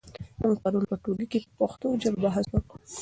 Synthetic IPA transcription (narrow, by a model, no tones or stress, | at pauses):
məŋɡ̚paɾunpəʈoɡikepaxt̪od͡ʒabbaɦaswaku